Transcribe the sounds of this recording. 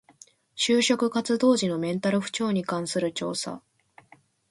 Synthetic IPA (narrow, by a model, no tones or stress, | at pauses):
ɕɨːɕo̞kɯ̟kat͡sɨd̪o̞ːʑino̞mẽ̞nt̪aɾɯ̟ɸɯ̟̥t͡ɕo̞ːɲ̟ikãɰ̃sɨɾɯ̟t͡ɕo̞̰ːsa̰